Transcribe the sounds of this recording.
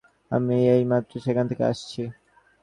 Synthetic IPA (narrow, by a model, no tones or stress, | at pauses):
a̰miejmat̪ːɾoʃekʰant̪ʰekḛa̰ʃt͡ɕʰi